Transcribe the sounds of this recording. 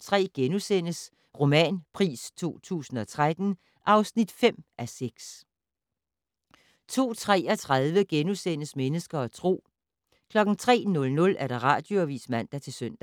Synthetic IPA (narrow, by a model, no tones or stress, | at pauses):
t͡sʰʁɛ̰ːɡ̥enusen̰əs | ʁo̝mɛ̰ːnpʰʁḭːst͡sʰo̝̰ːt͡sʰṵːsn̩ɒ̽t͡sʰʁad̥n̩ | ʔɑ̈ʊsnid̥fem̰æseɡ̥s | t͡sʰo̝̰ːt͡sʰʁɛ̰ːɒ̽t͡sʰʁaðˠʋəɡ̥enusen̰əsmenəsɡ̥ɐɒ̽t͡sʰʁo̝̰ː | kʰlɒ̽ɡ̥n̩t͡sʰʁɛ̰ːnɔ̽lnɔ̽lʔæɐɾ̥ɑ̈ʁɑ̈ːd̥joæʋḭːsmæn̰d̥æt͡sʰe̝lsøn̰d̥